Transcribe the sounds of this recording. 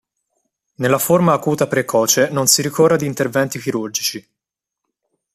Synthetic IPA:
nelːaformaːkuːt̪apɾekʰɔːt͡ʃenonsiɾikoːrad̪iːnt̪ervɛnt̪ikiɾurd͡ʒit͡ʃi

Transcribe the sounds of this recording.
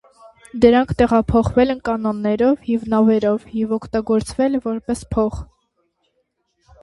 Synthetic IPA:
d̪əɾɑŋkʰt̪ɛʁɑpʰɔχvɛlɛnkɑnɔnːɛɾɔvjɛvnɑvɛɾɔvjɛvɔkʰt̪ɑɡɔɾt͡sʰvɛlvɔɾpɛspʰɔχ

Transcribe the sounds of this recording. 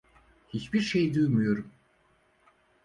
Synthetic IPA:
hit͡ʃbiɾʃejd̪øːmyjøɾum

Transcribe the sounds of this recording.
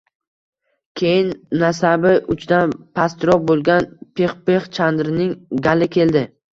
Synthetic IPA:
kʲʰejɪnːasabɪʔʊt͡ʃd̪anpʰast̪ɾɒbolˠɡʲanpʰe̞χpeχt͡ʃʰand̪ɾɪnɪŋɡʲalɪkʲʰe̞ld̪ɪ

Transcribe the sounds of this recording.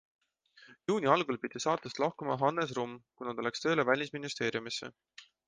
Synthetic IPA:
juːnʲiɑlɡulpid̪̥isɑːt̪ːˑust̪lɑhkumɑɦɑnːes̬rumːkunɑt̪olekst̪ø̞ːlevælʲisminist̪e̞ːɾjumisːe̞̰

